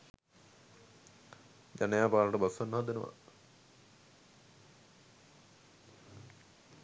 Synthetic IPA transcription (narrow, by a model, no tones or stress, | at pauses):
d͡ʒanejaːpaːlɐʈəbasʋanːəɦad̪enəʋa̰